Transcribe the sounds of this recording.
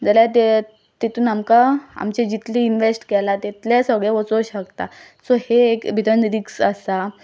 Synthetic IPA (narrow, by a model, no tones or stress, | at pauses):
d͡zəljat̪e | t̪et̪uːnamkaa̰mt͡ɕed͡ʑit̪liinʋesʈkɛlat̪et̪lesəɡɭeʋɔt͡soɕəkt̪a | soheːkbʱid̪ənɾiksəsa